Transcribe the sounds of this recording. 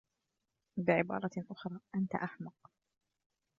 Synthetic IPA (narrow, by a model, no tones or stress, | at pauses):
bɪʕɪbɑ̰ːɾˤɑʔʊxɾˤɑːʔant̪a̰ʔaħmʊq